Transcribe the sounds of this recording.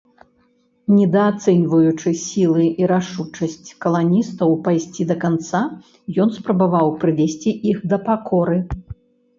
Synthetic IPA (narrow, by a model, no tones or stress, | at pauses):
nʲɛd̪ɐat̪sɛnʲvɐjut͡ʂɨsʲilˠɨʔiɾaʂut͡ʂɐsʲt͡sʲkɐlˠanʲist̪ɐwpajsʲt͡sʲid̪ɐkant̪sa | jɔnspɾɐbavawpɾɨvʲɛsʲt͡sʲiʔixd̪ɐpakʰɔɾɨ